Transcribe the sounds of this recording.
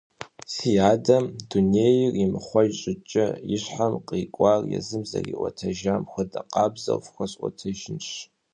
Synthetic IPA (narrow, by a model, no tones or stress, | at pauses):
siaːdɐmduneːjɪrimɨχʷɔʒɕʼɪt͡ʃʼɐjɪɕħamqʼiːkʷʼarjɛ̰zɨmzɐ̰rḭʔʷɔtʰɐʒaːmxʷɐdɐqɑːbzɐ̰wfxʷɐɕʼʔʷɔ̰tʰɐʒɪnɕ